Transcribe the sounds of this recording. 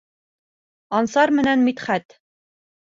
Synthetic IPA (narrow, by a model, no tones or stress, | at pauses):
ɒnsɑɾmɘ̆nænmit̪χæt̪